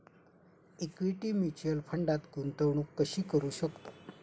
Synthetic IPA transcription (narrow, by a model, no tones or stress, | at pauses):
ekʋiʈiːmit͡ɕjəlpʰəɳɖat̪ɡunt̪əʋɳuːkːəɕiːkəɾuːɕəkt̪o̥